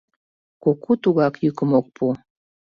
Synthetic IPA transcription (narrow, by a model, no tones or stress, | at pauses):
kokut̪uɣɑkjykəmok̚pʰu